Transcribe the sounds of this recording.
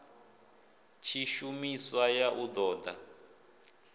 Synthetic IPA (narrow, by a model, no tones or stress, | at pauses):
t͡ʃʰiʃumiswajaʔud̪ɔːda̰